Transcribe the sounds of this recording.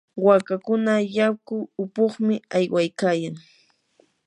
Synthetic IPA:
wakakʊnajakʊʊpoχmɪajwajkaːjaŋ

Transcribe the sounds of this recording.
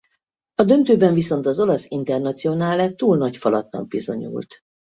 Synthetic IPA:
ɒd̪ø̞nt̪øːbɛɱviso̞nt̪ɒzo̞lɒsint̪ɛrnɒt̪sijo̞naːlɛt̪ːuːlnɒcfɒlɒt̪nɒ̰ɡ̚bizo̞̰ɲṵːlt̪

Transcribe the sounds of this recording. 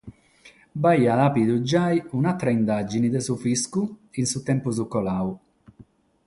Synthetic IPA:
baiːalapid̪ud͡ʒajunat̪ːɾaind̪ad͡ʒinid̪ɛsufiskuinsut̪ɛmpuz̬ukɔlawu

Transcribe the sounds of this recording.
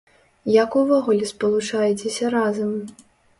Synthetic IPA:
jakuvɔɣulʲɛspɐlˠut͡ʂajɛt͡sʲesʲɐɾazɐm

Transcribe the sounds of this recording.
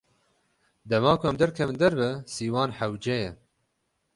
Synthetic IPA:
d̪ɛmɑːkʰʊɛmd̪ɛɾkʰɛvɨnd̪ɛɾbɛsiːwɑːnħawd͡ʒɛjɛ

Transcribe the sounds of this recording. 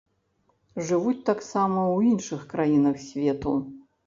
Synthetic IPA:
ʐɨvut͡sʲt̪aksamɐwinʂɨxkɾajinɐxsʲvʲɛt̪ṵ

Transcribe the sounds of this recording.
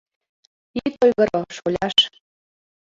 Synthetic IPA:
it̪ojɣɤ̆ɾoʃolʲɑʃ

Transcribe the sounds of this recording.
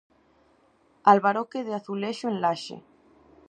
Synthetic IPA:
alβaɾokeðeaθuleʃoẽnlaʃḛ

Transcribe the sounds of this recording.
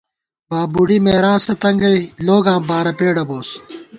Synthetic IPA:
baːbuɽimeːɾãːsɐt̪ɐŋɡɐiloːɡãːbaːɾɐpeːɽɐboːs

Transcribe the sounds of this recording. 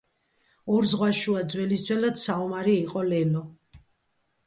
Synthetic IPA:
ɔɾzʁwaʃuad̪zwɛlisd̪zʰwɛlad̪saumaɾiːqʼɔlɛlɔ

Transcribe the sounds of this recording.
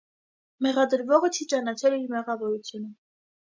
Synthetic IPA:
mɛʁɑd̪əɾvɔʁət͡ʃʰit͡ʃɑnɑt͡ʃʰɛliɾmɛʁɑvɔɾut͡sʰjunə

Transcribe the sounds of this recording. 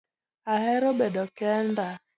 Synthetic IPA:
ahɛɾobɛdɔkɛnda

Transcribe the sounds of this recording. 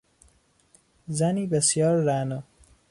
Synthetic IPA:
zæniːbesijɒːɾːænɔ

